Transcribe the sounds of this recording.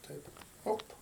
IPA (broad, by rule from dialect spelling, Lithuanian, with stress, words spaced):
ˈtɐɪp ˈoːp